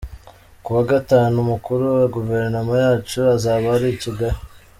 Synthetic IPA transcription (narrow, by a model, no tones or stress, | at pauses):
kuwaɡataːnumukuɾuwaɡuve̞ɾnomajaːt͡ʃuazaːβaɾiciɡaɾi